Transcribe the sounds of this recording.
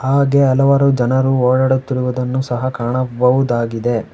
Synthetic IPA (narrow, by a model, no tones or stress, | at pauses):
ɦaːɡe̞ɐlɐʋɐɾud͡ʒɐnɐɾuoːɽɐɽet̪ːiɾuʋud̪ɐnːusɐɦɐkaːɳɐbɐʋud̪aːɡid̪e̞